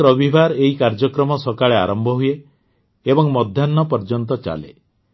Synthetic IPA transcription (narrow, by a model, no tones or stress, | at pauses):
ɾɔbʱibʱaɾeɦikaɾd͡ʒɔkɾɔmɔsɔkaɭea̰ɾɔmbʱɔɦujeː | bɔŋmɔd̪ʱjanːɔpɔɾd͡ʒɔnt̪̬ɔt͡ʃa̰lḛ